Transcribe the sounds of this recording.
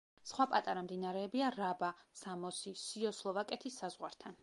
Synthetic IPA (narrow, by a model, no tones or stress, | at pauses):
sχwapʼat̪ʼaɾamd̪inaɾɛːbiaɾabasamɔsisiɔslˠɔvakʼɛt̪ʰisːazʁwaɾt̪ʰan